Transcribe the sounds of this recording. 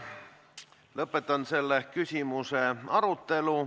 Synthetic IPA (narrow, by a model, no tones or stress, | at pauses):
løpːˑet̪ɑnselːekysʲimuseɑrut̪ːelu